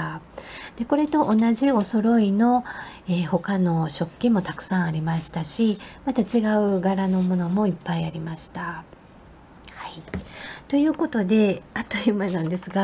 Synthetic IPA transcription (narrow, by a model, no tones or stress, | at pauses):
ad̪̥e̞ko̞ɾe̞t̪o̞ʔonaʑio̞so̞ɾo̞ino̞eːho̞kano̞ɕo̞kʲːimo̞t̪akɯ̟̥sãɰ̃aɾʲimaɕi̥t̪aɕimat̪at͡ɕiɡaɯ̟ɡaɾano̞mo̞no̞mo̞ipːaiaɾʲimaɕi̥t̪a | hait̪o̞jɯ̟ːko̞t̪o̞d̪e̞at̪ːoimanãnd̪e̞sɨɡa